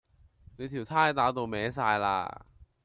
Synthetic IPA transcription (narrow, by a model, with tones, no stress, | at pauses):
niː˧˥t̪ʰwt̪ʰaː˥˩jt̪aː˧˩wt̪u˧mɛː˨˥s̬aː˧jla̰˧˩